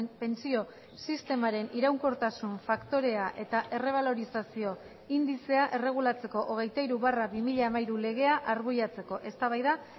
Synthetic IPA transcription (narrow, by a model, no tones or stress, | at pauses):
pe̞nt͡sio̞ | sist̪e̞maɾe̞niɾawŋko̞ɾt̪asuɱfakt̪o̞ɾe̞aʔe̞t̪aʔe̞re̞β̞alo̞ɾisasio̞ | ind̪ise̞aʔe̞re̞ɣ̞ulat͡se̞ko̞ʔoɣ̞e̞jt̪aiɾuβaraβimiʎaːmaiɾule̞ɣ̞e̞aʔaɾɣuʎat͡se̞ko̞ʔe̞st̪aβajða